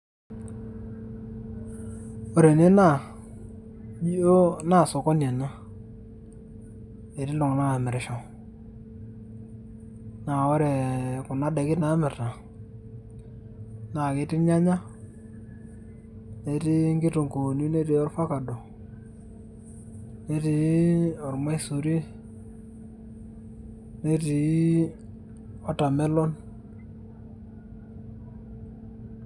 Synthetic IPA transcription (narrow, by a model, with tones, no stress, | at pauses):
o˨ɾe˨ne˦na˦˨ | ɓi˦o˦na˦˨sɔ˨kɔ˦n˨e˨na˦ | e˨tɪ˦lʊ˨ŋ˨na˦ŋa˨mɪ˨ɾʃɔ˨ | na˨ɔ˦ɾɛ˨kʊ˨na˨˦da˨kɪ˦na˨˦mɪ˨ɾa˨ | na˨ke˨˦tɪ˦ɲa˦ɲa˦ | ne˨ti˦ŋɡɪ˦tu˨ŋko˨ni˦ne˦ti˨ɔ˦rfa˦ka˨do˨ | ne˦ti˨˦ɔ˨ɾma˦i˦su˨ɾi˦ | ne˦ti˨˦ | ɔ˦ta˨mɛ˦lɔ˦n